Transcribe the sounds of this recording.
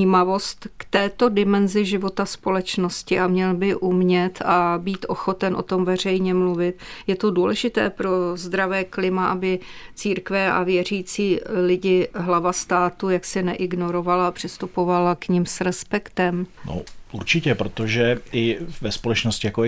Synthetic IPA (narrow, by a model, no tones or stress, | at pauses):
iːmavo̞st̪kt̪ɛːt̪o̞dɪmɛnzɪʒɪvo̞t̪aspo̞lɛt͡ʃno̞scɪʔamɲɛlbɪʔumɲɛt̪ʰabiːt̪ʔo̞xo̞t̪ɛnʔo̞̰t̪o̞mvɛr̝ɛjɲɛmluvɪt̪̚jɛt̪o̞duːlɛʒɪt̪ɛːpɾo̞zd̪ɾavɛːklɪmaʔabɪt͡siːɾkvɛa̰vjɛr̝iːt͡siːlɪɟɪɦlavast̪aːt̪ujaksɪnɛʔɪɡno̞ɾo̞valaːpr̥ɪst̪upo̞valakɲɪmsɾɛspɛkt̪ɛmno̰ʔuɾt͡ʃɪcɛpɾot̪oʒɛɪvɛspolɛt͡ʃnoscɪjako